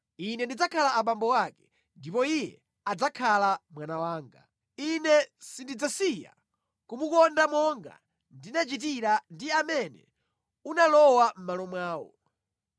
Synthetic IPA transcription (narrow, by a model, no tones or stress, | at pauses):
inɛndid͡zakʰalaaɓambɔwakɛ̥ | ndipɔijɛ̰ | ad͡zakʰalamwanawaːŋɡa | inɛsindid͡zasija̰ | kumukɔndamɔŋɡa̰ | ndinat͡ʃit̬iɾandiamɛnɛ̰ | unalɔwam̩malɔmwaːwɔ̰